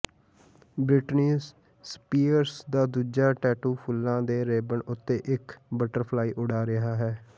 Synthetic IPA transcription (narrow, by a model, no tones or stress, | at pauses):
bɾɪʈniːs | spiːəɾsd̪aːd̪uːd͡ʒaːʈɛːʈuːpʰʊlːãːd̪eːɾeːbəɳʊt̪ːeːʔɪkbəʈəɾpʰlaːiːʔʊɽaːɾɪɦaːɦɛː